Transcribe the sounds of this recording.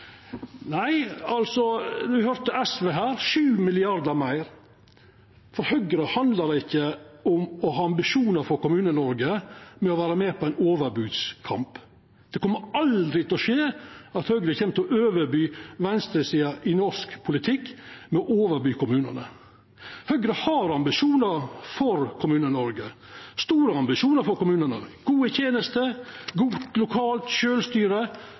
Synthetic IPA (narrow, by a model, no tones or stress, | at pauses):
næɪɑlsɔd̪ʉɪhøɾt̪əɛsʋeːɦæːɾʃʉːmɪlɪɑɾd̪əɾmæɪɾ | fɔɾhœɡəɾəhɑnd̪ləd̪ɛɪçːəʊmɔhɑːɑmbɪʃuːnəɾfɔɾkʊmʉːnənɔɾɡəmɛɔʋæːɾəmɛːpʰɔæɪnoːʋəɾbʉːd̪skʰɑ̰mp | d̪̥ɛkɔmːəɑld̪ɾɪt̪ʰɛlɔʃeːɑt̪hœɡɾəçɛːmt̪ɔʔøːʋəɾbyːʋɛnst̪ɾəsiːɑʔɪnɔʂkpʰʊlɪt̪ʰɪkːmɛɔʔoːʋəɾbyːkʊmʉːnə̰nə̰ | hœɡɾəhɑɾɑmbɪʂuːnəɾfɔɾkʰʊmʉːnənɔɾɡə | st̪uːɾəɑmbɪʂuːnəɾfɔɾkʊmʉːnənəɡ̥uːət̪ʰjeːnəst̪əɡuːlʊkʰɑːlt̪ʃøːlst̪yːɾə